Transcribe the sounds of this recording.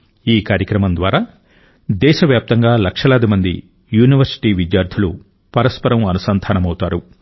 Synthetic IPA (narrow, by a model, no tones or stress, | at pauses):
iːkaːɾjɐkɾɐmɐnd̪ʋaːɾaː | d̪ɛːʃɐʋjaːp̚t̪ɐŋɡaːlɐkʂɐlaːd̪imɐnd̪i | juːniʋɐɾsi̥ʈiːʋid̪jaːɾd̪ʰʱilu | pɐɾɐspɐɾɐmɐnusɐnd̪ʱaːnɐmɐwut̪aːɾu